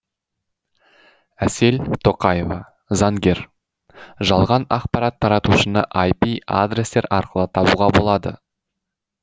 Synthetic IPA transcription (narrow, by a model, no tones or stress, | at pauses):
æse̞lt̪ʰo̞qɑje̞vɑ | zɑŋɡʲe̞ɾ | ʒɑlˠʁɑnɑqpɑɾɑt̪ʰːɑɾɑt̪uʃənəʔajpia̰d̪ɾʲest̪e̞ɾɑ̰ɾqəlˠət̪ʰɑbuʁɑbo̞lˠɑd̪ə̰